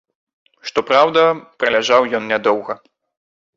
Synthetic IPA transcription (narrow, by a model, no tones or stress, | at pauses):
ʂt̪ɔpɾawd̪ɐpɾɐlʲaʐawjɔnnʲad̪ɔwɣɐ